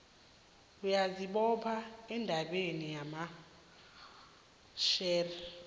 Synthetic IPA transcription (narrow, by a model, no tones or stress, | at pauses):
ujaziɓɔpʰaɛndʱaɓenijama | ʃɛːrɛ